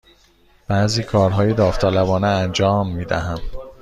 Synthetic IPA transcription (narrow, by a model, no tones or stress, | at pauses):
b̥æːziːkʰɒːɾɦɒːjed̪ɒːft̪ʰɒːlæbɒːneænd͡ʒɒːmːiːd̪æɦæm